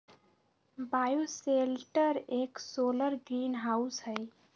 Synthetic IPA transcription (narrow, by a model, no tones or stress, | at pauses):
bajoselʈəɾeksoləɾɡɾinɦausɦəɪ